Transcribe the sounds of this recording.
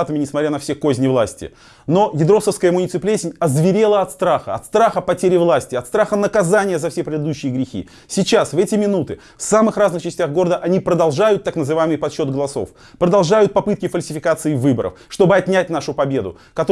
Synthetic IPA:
t̪əmʲɪnʲɪsmɐt̪ʲɾʲanɐfsʲekozʲnʲɪvlˠasʲtʲɪ̰ | no̞jʲɪd̪ɾo̞səfskəjəmʊnʲɪt̪sɨplʲesʲɪnʲɐzvʲɪɾʲe̞lˠəɐt̪st̪ɾaxəɐ̰t̪st̪ɾaxəpɐtʲeɾʲɪvlˠasʲtʲɪɐt̪st̪ɾaxənəkɐzanʲɪjəzɐfsʲepɾʲɪd̪ɪd̪uɕːɪjəɡɾʲɪxʲḭ | sʲɪt͡ɕasvɛtʲɪmʲɪnut̪ɨ | fsamɨxraznɨxt͡ɕɪsʲtʲaɣɡo̞ɾəd̪əʔɐnʲipɾəd̪ɐlˠʐajʊt̪ːaknəzɨvajɪmɨjpɐt̪ɕːo̞d̪ɡəlˠɐso̞̰f | pɾəd̪ɐlˠʐajʊt̪̚pɐpɨt̪kʲɪfəlʲsʲɪ̥fʲɪkat̪sɨɪvɨbəɾʔə̰fʂt̪o̞bɨɐt̪ʲnʲæt̚ʲnaʂʊpɐbʲe̞d̪ʊ̰ | kɐt̪o

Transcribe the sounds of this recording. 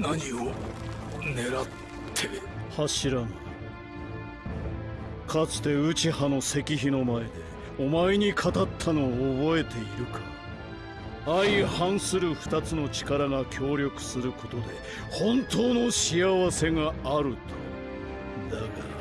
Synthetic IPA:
naɲio | ne̞ɾat̪ʰː | e | haɕiɾana | kʰat͡sɨ̥t̪e̞ɯt͡ɕihano̞se̞kʲiçino̞mae̞d̪e̞ | omaeɲ̟ikʰat̪at̪ʰːano̞ːbo̞e̞t̪e̞iɾɯ̟kʰḁ | aihãɰ̃sɨɾɯ̟ɸɯ̟̥t̪at͡sɨno̞t͡ɕi̥kaɾaŋakʲʰo̞ːɾʲjo̞kɯ̟̥sɨɾɯ̟ko̞t̪o̞d̪e̞ | hõ̞nt̪o̞ːno̞ɕiaβase̞ŋaːɾɯ̟t̪ʰo̥ | d̪akaɾa

